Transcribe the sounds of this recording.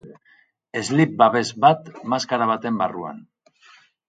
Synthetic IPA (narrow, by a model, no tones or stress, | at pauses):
e̞zlip̚baβe̞zbat̪maskaɾaβ̞at̪e̞mbarua̰n